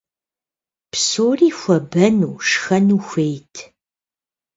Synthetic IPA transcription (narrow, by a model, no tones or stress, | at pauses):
psoːriːxʷɐbɐnuːʂxɐnuːxʷejtʰ